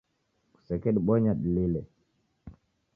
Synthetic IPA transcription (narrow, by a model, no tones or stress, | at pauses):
ku̥sɛkɛɗiɓɔɲaɗililɛ